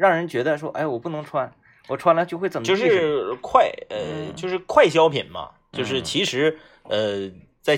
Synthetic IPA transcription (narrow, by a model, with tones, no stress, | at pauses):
ɻɑ˥˩ŋɻə˧˥nt͡ɕɥɛ˧˥d̪ə˧ʂ̬wɔ˥ʔa̰˥˩ɪwɔ˨˩pu˥˩nɤ˧˥ŋʈ͡ʂʰwa˥n | wɔ˨˩ʈ͡ʂʰwa˥nlt͡ɕo˥˧ʊxwt͡sə˨˩mjo˥˧ʊʂ̩˥˧˩kʰwa˥˩ɪə˧jo˥˧ʊʂɻ̩˥˧kʰwa˥˩ɪɕ̬jɑ˥ʊpʰḭ˨˩nmɐ̰˧˦t͡ɕjo˥˧ʊʂɻ̩˥˩t͡ɕʰi˧˥ʂɻ̩˧˥ | ə˧ | t͡sa˥˩ɪ